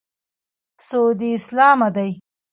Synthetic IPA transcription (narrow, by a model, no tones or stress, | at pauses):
soːd̪iɪslɑːmad̪aj